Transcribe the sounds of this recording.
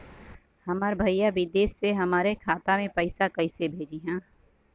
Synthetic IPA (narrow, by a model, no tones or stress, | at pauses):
hɐməɾbʱɐijaʋɪd̪eːsːeɦɐmaːɾekʰaːt̪amẽpɐɪsakɐɪsebʱeːd͡ʒiɦɛ̃ː